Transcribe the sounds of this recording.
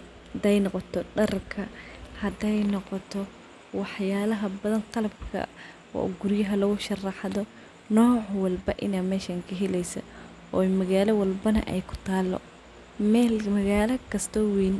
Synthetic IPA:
hɐd̪ɛjnɔqɔt̪ʰɔɖɐrkʰɐhɐd̪ɛjnɔqɔt̪ʰɔ | wɑħjaːlɐɦɐbɐðɐnqɑlɐbkʰɐ̰ | ɔ̰ːɡʊɾjɐɦɐlɐɣʊʃɐrɑħðɔ | nɔːʕwɑlbɐʔɪnaːmɛːʃɐŋkʰɐɦɛlɛjsɐ̰ | ʔɔːmɐɣaːlɐwɐlbɐnɐ̰ʔɛ̰jkʰʊ̥t̪ʰaːlːɔ̰ | mɛlmɐɣaːlɐkʰɐst̪ʰɔwiːn

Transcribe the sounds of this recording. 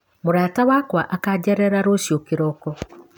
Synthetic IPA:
moɾaːtawaːkwaʔakad͡ʒɛɾɛɾaɾosjokeɾɔkɔ

